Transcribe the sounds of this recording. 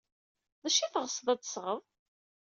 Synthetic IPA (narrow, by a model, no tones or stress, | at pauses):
ðæʃiθʁəsˤðˤæt͡sːsʁəðˤ